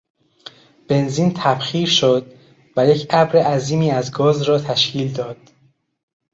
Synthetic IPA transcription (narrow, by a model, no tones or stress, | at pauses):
b̥e̞nziːnt̪ʰæbxiːɾʃod̪̚ | væjecʰæbɾeʔæziːmiːæzɡɒːzɾɒːt̪ʰæʃcʰiːld̪ɒːd̪̥